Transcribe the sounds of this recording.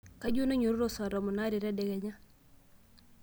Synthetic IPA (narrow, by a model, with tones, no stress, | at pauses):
ka˦ɟu˦na˦ɲu˨ɾu˦ɾo˦sɔ˨ɾɔ˨mu˨na˦ɾi˨ɾɛ˦dɛ˨ɡɛ˨ɲa˦